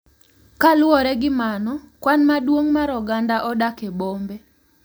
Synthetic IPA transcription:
kalʊɔɾɛɡɪmanɔkwanmadwoŋmaɾɔɡandaʔɔdakebombe

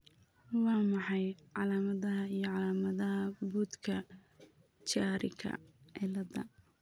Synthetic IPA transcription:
wɑːmɑħɑjʕɑlaːmɐðɐɦɐijɞʕɑlaːmɐðɐɦɐbuːd̪kʰɐ | t͡ʃaːɾɪ̰kʰɐ̰ɛlɐðɐ̰

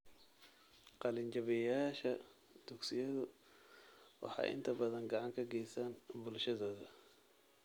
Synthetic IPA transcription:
qɑlɪnt͡ʃɐβɛjaːʃɐ | d̪̥ʊɡsɪjɐðʊ | wɑ̰ħɑ̰ːʔɪ̰nt̪ʰɐbɐðɐŋɡɑʕɑŋkʰɐɡɛjsanbʊlʃɐðɔːðɐ

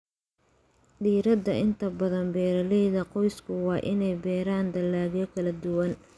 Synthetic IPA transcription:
diːɾɐd̪ɐʔɪnt̪ʰɐbɐðɐnbɛːɾɐlɛjðɐqɔjskʰʊwɑːʔɪnɛjbɛːɾaːnd̪ɐlːaːɣjɔkʰɐlɐd̪ʊwɐn

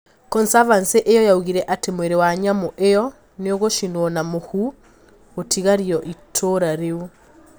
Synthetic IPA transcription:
kɔnsavanseʔejɔjauɣiɾɛʔatemoeɾewaɲamoʔejɔ | neoɣoʃinwɔnamohu | otʰiɣaɾiɔʔitʰoɾaɾeu

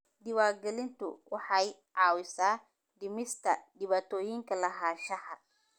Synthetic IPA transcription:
d̪ɪwaːɾɡɛlɪnt̪ʰʊ̰wɑħɑjʕɑːwɪsaː | d̪ɪmɪst̪ʰɐ̰d̪ɪβat̪ʰɔːjɪŋkʰɐlɐɦaːʃɐhɐ

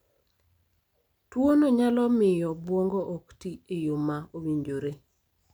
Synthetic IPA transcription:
twonoɲalɔmɪjɔbwoŋɡoʔoktiejumaowiɲd͡ʒoɾe

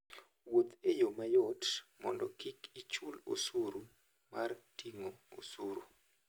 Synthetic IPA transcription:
wot̪ejomajɔtmɔndɔkikit͡ʃulo̰suɾu | martiŋoo̰suɾu

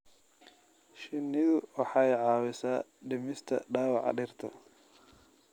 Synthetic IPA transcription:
ʃɪnːɪðʊwɑħɑjʕɑːwɪsaːɖɪmɪst̪ʰɐ̰ɖaːwɑʕ̰ɖɪrt̪ʰɐ̰

